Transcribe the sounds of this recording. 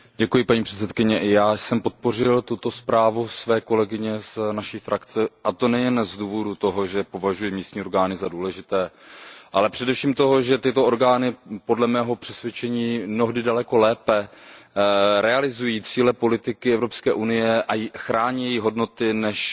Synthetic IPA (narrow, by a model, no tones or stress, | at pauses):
ɟɛkujɪpaɲiːpr̥ɛ̥t̪t͡sɛt̪kɪɲɛʔɪjaːsɛmpo̞t̪̚po̞rɪlt̪ut̪o̞spɾaːvusvɛːko̞lɛɡɪɲɛsnaʃifɾʔakt͡sɛʔat̪o̞nɛjɛnzduːvo̞dut̪o̞ɦo̞ʒɛpo̞vaʒujɪmiːst̪ɲiːo̞ɾɡaːnɪzaduːlɛʒɪt̪ɛːʔalɛpr̥ɛdɛfʃiːmt̪o̞ɦo̞ʒɛt̪ɪt̪o̞o̞ɾɡaːnɪpo̞dlɛmɛːɦo̞pr̝̥ɛsvjɛt͡ʃɛɲiːmnoɦdɪdalɛko̞lɛːpɛ | ɾɛalɪzujiːt͡siːlɛpo̞lɪt̪ɪkɪɛvɾopskɛːʔunɪjɛʔajxɾaːɲijɛjiɦo̞dno̞t̪ɪnɛʃ